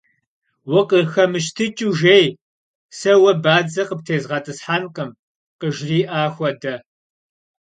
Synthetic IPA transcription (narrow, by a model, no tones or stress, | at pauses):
wʊqəxɐmɨʃ̬tʰɨt͡ʃʼuʒej | sɐwɐbaːd͡zɐqəp̚tʰeːzʁɑːtʼɨsħaːnqɐm | qəʒriːʔaːxʷɔdɐ